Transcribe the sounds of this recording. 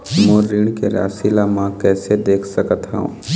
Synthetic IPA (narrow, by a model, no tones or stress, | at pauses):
moːɾiːɳkeɾa̰ːsilamãkɛːsed̪eːkʰsəkət̪ɦa̰ṵ̃ː